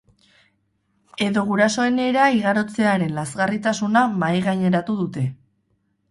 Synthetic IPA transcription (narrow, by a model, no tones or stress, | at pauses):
e̞ðo̞ɣuɾaso̞e̞ne̞ɾaiɣaɾo̞t͡se̞aɾe̞nlazɣarit̪asunamajɣaɲe̞ɾat̪uðut̪e̞